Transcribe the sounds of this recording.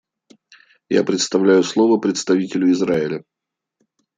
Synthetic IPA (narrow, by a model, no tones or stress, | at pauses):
ja̰pɾʲɪt̪st̪ɐvlʲæjʊslˠo̞vəpɾʲɪt̪st̪ɐvʲitʲɪlʲʊɪzɾaɪlʲə